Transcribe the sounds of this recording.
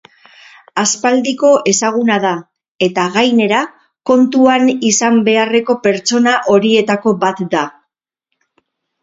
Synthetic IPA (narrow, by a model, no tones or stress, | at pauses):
aspald̪iko̞ʔe̞saɣ̞unað̞a | e̞t̪aɣajne̞ɾa | ko̞nt̪uanisambe̞are̞ko̞pe̞ɾt͡so̞naʔo̞ɾie̞t̪ako̞bat̪d̪a